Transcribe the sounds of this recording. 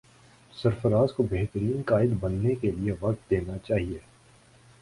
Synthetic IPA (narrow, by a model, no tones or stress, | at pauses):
sɐɾfəɾaːzkobeːɦt̪əɾiːnkaːɪd̪bɐnːekelieʋɐq̚t̪̚d̪eːnat͡ʃaːɦieː